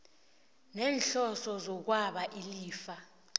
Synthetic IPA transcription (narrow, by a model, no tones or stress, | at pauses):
nɛːnɬɔsɔzɔk̬waɓaʔiliːfa